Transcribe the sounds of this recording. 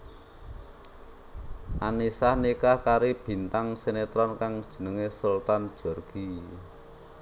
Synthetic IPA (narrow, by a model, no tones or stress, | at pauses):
ʔanisahnikakaɾib̥i̤nt̪aŋsenet̪ɾɔnkaŋd̥ʒ̥ə̤nəŋesult̪and̥ʒ̥ɔ̤rɡ̥i̤